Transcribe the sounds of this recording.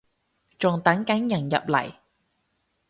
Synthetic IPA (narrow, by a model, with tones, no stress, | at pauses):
t͡ʃɔː˨˩ŋt̪a˨˥ŋka˨˥ŋjɐ˨˩ŋjɐ̰˨p̚lɐ̰˨˩j